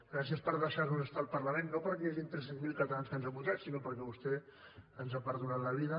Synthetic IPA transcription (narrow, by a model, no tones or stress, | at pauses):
ɡɾas̬iəspəɾðəʃaɾnuzəst̪alˠpəɾləmenːopəɾkɛjaʒint̪ɾɛs̬enzmilˠkət̪alanskənzaβuʒat̪sinopəɾkɛβust̪ɛənzapəɾðunat̪ləβ̞iðə